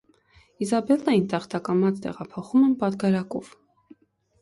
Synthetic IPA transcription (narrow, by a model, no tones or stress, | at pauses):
izɑbɛlːɑjint̪ɑχt̪ɑkɑmɑt͡st̪ɛ̰ʁɑpʰɔχumɛnpɑt̪ɡɑɾɑkɔv